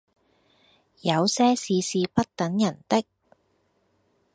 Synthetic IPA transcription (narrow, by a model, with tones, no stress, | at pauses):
jɐ˨˧wsɛː˥siː˨˧siː˧pɐ˥t̚t̪ɐ˨˥ŋjɐ˨˩nt̪ɪ˥k̚